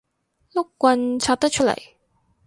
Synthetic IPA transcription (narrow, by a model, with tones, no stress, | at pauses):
lʊ˥kːʷɐ˧nt͡sʰaː˧t̚t̪ɐ˥t͡ʃʰɵ˥lɐ̰˨˩j